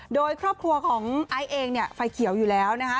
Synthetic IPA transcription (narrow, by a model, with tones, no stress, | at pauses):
doː˧jkʰɾɔː˥˩pkʰɾu˧ɐkʰɔː˩˦ŋʔa˧jʔeː˧ŋni˥˩ɐfa˧jkʰi˩˦əwjuː˨˩lɛː˦˥wna˦˥kʰa˦˥